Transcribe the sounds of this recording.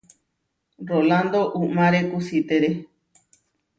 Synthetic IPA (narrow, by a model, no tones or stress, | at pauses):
roland̪oʔumãɾekusit̪eɾe